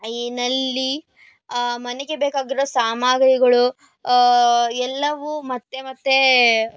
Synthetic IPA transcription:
ɐinɐlːi | mɐneɡe̞beːkaːɡiɾosaːmaːɡɾiɡɐɭu | ɛlːɐʋumɐt̪ːe̞mɐt̪ːe̞

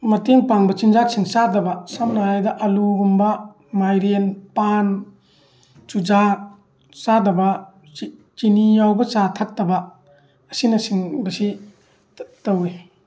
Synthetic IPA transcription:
mɐteŋpaŋbɐt͡ʃind͡ʒasʰiŋsadɐbɐsamnaajdɐʔɐluɡumbɐ | majɾenpan | t͡ʃud͡ʒa | sadɐbɐ | t͡ʃinijawbɐt͡ʃatʰat̚ːɐbɐ | ɐsinɐsiŋbɐsi | tawe

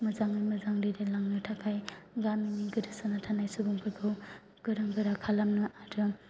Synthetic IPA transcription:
mɯzaŋɯjmɯzaŋɾiɾelaŋnɯtʰakʰajɡaminiɡɯɾɯsanatʰanajsubuŋpʰɯɡʰɯw | ɡ̥ɯɾaŋɡɯɾakʰalamnɯʔaɾɯ

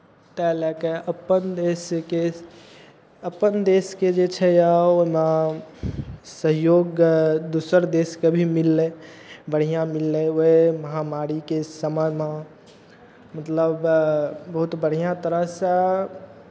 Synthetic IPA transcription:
t̪ɛlɛkeʔəpənd̪eske | əpənd̪esked͡ʒet͡ʃʰɛjaoma | səɦjoɡd̪usəɾd̪eskebʱimilːebəɽ̤ijãmilːeoɦeməɦamaɾikesəməma | mət̪ləbbəɦut̪bəɽ̤ijãt̪əɾəɦsə

